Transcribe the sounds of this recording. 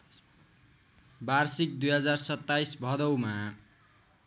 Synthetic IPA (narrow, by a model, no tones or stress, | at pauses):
barsik̚d̪ujɦʌd͡zarsʌt̪ːaisbʱʌd̪ʌwma